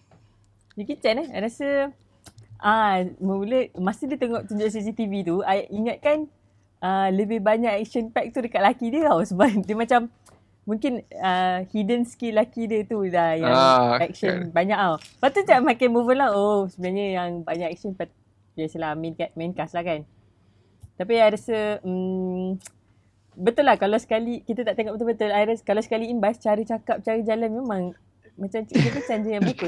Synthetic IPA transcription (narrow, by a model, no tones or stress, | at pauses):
jəkit͡ʃanaha̰jɾasə | ʔamə̃uləmasidiət̪əŋɔʔt̪uɲd͡ʒʊʔs̬is̬it̪ivit̪uajʔiŋat̪̚kan | ələbɪhbaɲakɛk̚ʃənpɛk̚t̪udəkaʔ̪̚lakidiəawsəbap̚dəmat͡ʃamː | uŋkɪnəhidənskilːakidiət̪udajaɛk̚ʃənbaɲaʔawpat̪ut͡ʃaʔmãkanmuvənlaosəbənaɲəjaŋbaɲaʔɛk̚sənpat̪̚ | jasəlamĩnkat̪̚mɛnkaslahkan | t̪ap̬iajɾasə | bət̪ʊlːahkalawsə̥kalikit̪ət̪aʔt̪eŋɔʔbət̪olbət̪ʊlaɾaskalawsə̥kaliːnbaast͡ʃaɾət͡ʃakap̚t͡ʃaɾəd͡ʒalanmemãŋ | mãt͡ʃamkit̪əpəsand͡ʒəjãŋbak̪ʊt̪̚